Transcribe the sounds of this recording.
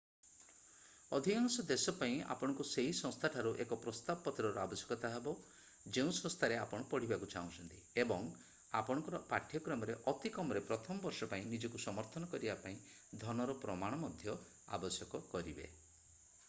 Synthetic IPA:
ɔd̪ʱikaŋsɔd̪esɔpaĩa̰pɔɽ̃ɔŋkuseɦisɔ̃st̪ʰaʈʰaɾuʔekɔpɾɔst̪abɔpɔt̪ɾɔɾuabɔsjɔ̥kɔt̪aɦebɔ | d͡ʒeũsɔ̃ŋ̃st̪ʰaɾeapɔɽ̃ɔpɔɽ̤ibakut͡ʃaũt͡ʃʰɔnt̪iebɔŋ | a̰pɔɽ̃ɔŋkɔɾɔpaʈʰjɔkɾɔmɔɾeʔɔt̪ikɔmɔɾepɾɔt̪ʰɔmɔbɔɾʃɔpaĩnid͡ʒɔkusɔmɔɾt̪ʰɔnɔkɔɾibapaĩ | d̪ʱɔnɔɾɔpɾɔmaɽ̃ɔmɔd̪ʱjɔ | a̰bɔsjɔkɔkɔɾibḛ

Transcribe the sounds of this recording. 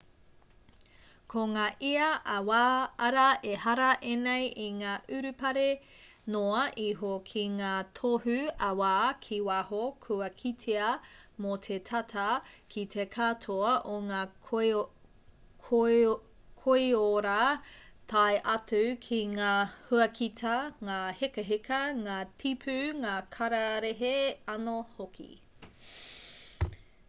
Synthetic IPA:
kʰoŋaːʔiɐʔɐwaːɐɾɐʔehɐɾɐʔenejʔiŋaːʔʉɾʉpɐɾe | noɐʔiɦokʰiŋaːtʰohʉɐwaːkʰiwahokʰuɐkʰitʰeɐmotʰetʰɐtʰɐkʰitʰekʰatʰoɐʔoŋaː | kʰ | kʰoioɾatʰɐeʔɐtʉkʰiŋaːhuɐkʰitʰɐŋaːhekɐɦekɐŋaːtʰipʰʉŋaːkʰɐɾɐɾeɦeɐnohokʰḭ

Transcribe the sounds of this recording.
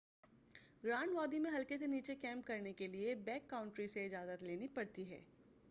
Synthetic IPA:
ɡɾaːnʋaːd̪imẽɦɐlkeseniːt͡ʃekɛ̃ːmpkɐɾnekeliebɛːkːaːʊ̃ɳʈɾiseɪd͡ʒaːzət̪leːnipɐɽt̪iɦɛ̰ː

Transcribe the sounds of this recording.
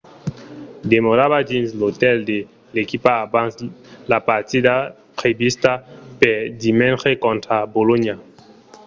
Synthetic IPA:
d̪emoɾaβadĩnslot̪ɛld̪e | lekipaːbãnslapaʁt̪id̪a | pχevist̪apɛʁd̪imɛ̃nχekɔ̃nt̪ɾaboloɲa

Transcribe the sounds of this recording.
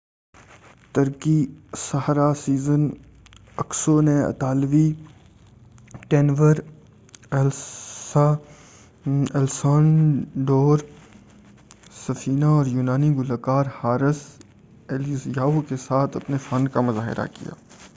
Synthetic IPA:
t̪ɐɾkisɐɦɾasiːzən | ɐksoneɐ̰t̪aːlʋi | ʈeːnʋəɾ | ɛla | ɛːlsaːnɖoːɾ | sɐfʰiːnaɔːɾjuːnaːniɡʊlakaːɾhaːɾɪs | eːljəsjaːokesaːt̪ʰɐpnefɐnkamɐzaːɦɪ̰ɾa̰kḭja̰ː

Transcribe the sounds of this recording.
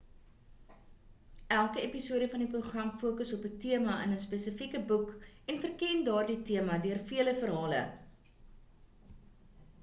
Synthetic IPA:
ælˠkəepisuəɾəfɐnipəχɐŋfuəkəsɔpətiəmɐʔə̰nəspesəfikəbukɛnfərkɛndɑːrditiəmɐdøərfiələfərɦɑːlə̰

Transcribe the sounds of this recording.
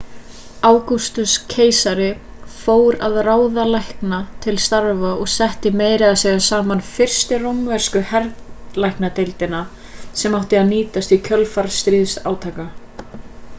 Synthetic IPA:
aːwkust̪ʏscʰeːjsaɾɪ | foːwɾaðraːwðalajhknat̪ʰɪlst̪aɾvaɔɣsɛht̪ɪmeːjɾɪaðsɛːɣasaːmanfɪr̥st̪ɪrowmvɛɾ̥skʏhɛɾðlajhknat̪ejlt̪ɪna | sɛmawht̪ɪaðniːt̪ast̪icʰœlfaɾst̪ɾiːðsaːwt̪ʰaːka

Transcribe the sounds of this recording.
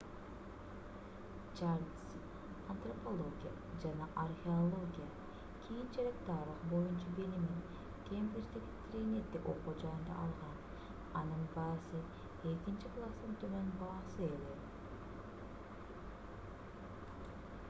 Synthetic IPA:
t͡ʃaɾs | ɐnt̪ropolˠo̞ɡʲḭja̰ | d͡ʒanɑʔarxʲeolˠo̞ɡʲija | kʲʰijint͡ʃeɾek̚t̪ɑɾɯqbo̞junt͡ʃɑbelimin | kʲʰempet͡ʃd̪ekt̪ɾʲinʲet̪ːiko̞qud͡ʒɑjɯnd̪ɑ̰ʔɑlˠʁɑn | ɑnɯnbɑːsɯ | e̞kint͡ʃiklˠast̪ɯnt̪ʰømønbɑːsɯe̞le

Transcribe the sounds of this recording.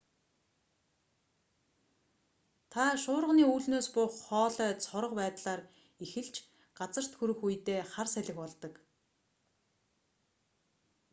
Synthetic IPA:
t̪ʰaʃʊːɾəʁniːuːɮnoːspʊχɔːɮœːt͡sʰɔɾə̆qpæːt̪ɮaːr | ixɘ̆ɮt͡ɕ | ɢat͡sə̆r̥t̪xuɾɘ̆xujt̪eːχarsæɮʲɪ̆xpɔɮt̪ɞ̆k

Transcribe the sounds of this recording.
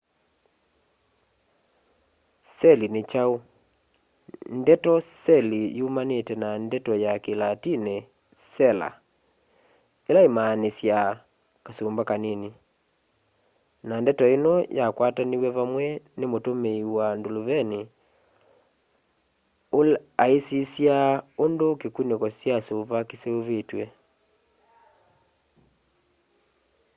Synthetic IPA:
sɛlinet͡ʃao | ndɛtɔsɛlijumanetɛnandɛtɔjakelatinɛ | sɛla̰ | elaemanesja | kasombakaneni | nandɛtɔenɔjakwataniwɛβamwɛnemotomeiwandoloβɛni | olaesisjaondokekunekɔsjasoβakeseoβetwɛ

